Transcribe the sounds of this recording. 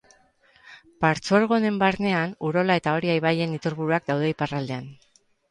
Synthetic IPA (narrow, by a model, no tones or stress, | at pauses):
paɾt͡suaɾɣ̞o̞ne̞mbaɾne̞anuɾo̞lae̞t̪ao̞ɾiajβaje̞nit̪uɾβuɾuak̚d̪awðe̞iparald̪e̞an